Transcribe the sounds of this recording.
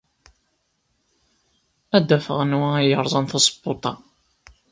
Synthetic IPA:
æd̪ːæfəʁənwæjəɾˤzˤɑnθɑsˤbːot̪ˤɑ

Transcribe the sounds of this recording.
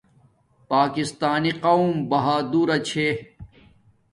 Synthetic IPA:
paːkist̪aːniqɐwmbɐɦaːd̪uːɾɐt͡ɕʰe

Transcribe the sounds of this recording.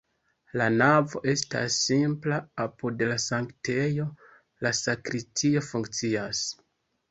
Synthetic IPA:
lanavo̞ʔe̞sta̰sːimplaapudlasaŋkte̞jo̞ | lasakɾistio̞fuŋkt͡sias

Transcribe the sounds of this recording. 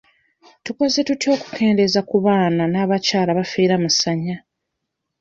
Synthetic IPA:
tuko̞ze̞tutjo̞ːku̥ke̞ːnde̞zakuβaːnanaːβacaːlaβafeːɾamusaɲːa

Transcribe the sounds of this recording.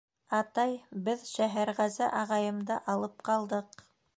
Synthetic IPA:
ɑt̪ɑjbɘðʃæɦæɾʁæzæʔɑʁɑjɤ̆md̪ɑʔɑlˠɤp̚qɑlˠd̪ɤq

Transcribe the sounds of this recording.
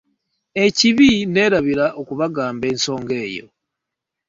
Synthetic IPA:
e̞ciβine̞ːɾaβiɾaʔokuβaɡaːmbe̞ːnso̞ːŋɡe̞ːjo̞̰

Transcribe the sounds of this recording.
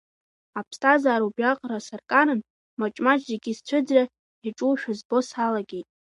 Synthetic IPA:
apʰstʰʼazaːɾubɥaqʼrasarkʼaɾɨn | mat͡ʃʼmad͡ʒzeɡʲist͡ɕʷʰʊd͡zra | iʈ͡ʂʼuʃᶣʊzbo̞salaɡʲejtʼ

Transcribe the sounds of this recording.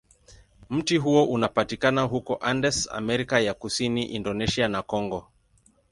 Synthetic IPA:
m̩tiɦuɔʔunapatikanaɦukɔʔandɛsa̰mɛɾikajakusiniʔindɔnɛʃianakɔŋɡɔ

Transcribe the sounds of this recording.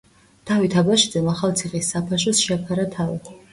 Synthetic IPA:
t̪ʰavit̪ʰabaʃizɛmaχalˠt̪sʰiχʼisːapʰaʃ̬ɔsʃɛpʰaɾat̪ʰavḭ

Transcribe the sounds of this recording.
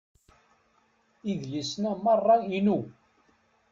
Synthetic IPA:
iðlisnæmɑrˤːɑinu

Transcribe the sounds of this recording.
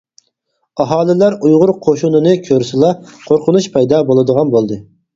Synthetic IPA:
ɑɦɑːlˠɨlæɾujʁʊɾqʰoʃunɨnɨkʲʰøɾysɪlˠɑqʰoɾqʰʊnuʃpʰɑjd̪ɑbolˠɨd̪əʁɑnbolˠd̪ɨ

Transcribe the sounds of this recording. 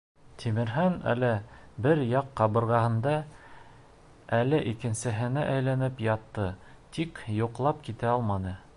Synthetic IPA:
t̪ʰimɘ̆ɾɦænæ̰lɘbɘɾjɑqːɑβɤ̆ɾʁɑhɤ̆nd̪ɑ | ælɘʔikɘ̆nsɘ̆ɦɘ̆nɘʔæjlænɘpjɑt̪ːɤt̪ikjuqlˠɑp̚kit̪æɑlˠmɑnɤ

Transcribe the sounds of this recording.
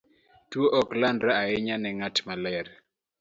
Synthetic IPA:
twoʔɔklandɾaaɪɲanɛŋatmalɛɾ

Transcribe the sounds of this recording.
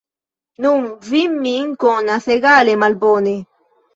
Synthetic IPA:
nuŋvimːiːŋkɔnaθeɡaːlemalbɔne

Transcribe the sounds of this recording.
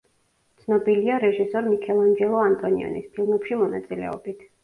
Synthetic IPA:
tt̪sʰnɔbiliaɾɛʒisɔɾmikʰɛlˠand͡ʒɛlˠɔant̪ʼɔniɔ̰nḭspʰilˠmɛpʃimɔna̰t̪sʼilɛ̰ɔ̰bit̪ʰ

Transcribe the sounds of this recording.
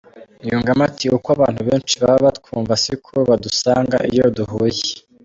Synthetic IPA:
ijuːŋɡamatiukwaβaːn̥huβeːnt͡ʃiβaβaβat̚kuːɱvasikʰuɾuβadusaːŋɡa̰ʔḭjoduhuːje̥

